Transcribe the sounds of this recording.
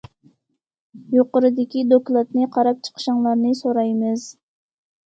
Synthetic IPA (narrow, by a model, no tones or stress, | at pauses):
joqəɾɨd̪ɪkʲid̪oklˠɑt̪nɨqʰɑɾɑp̚t͡ʃʰə̥qʰə̥ʃɑŋlˠɑɾnɨsoɾɑjmɨz̥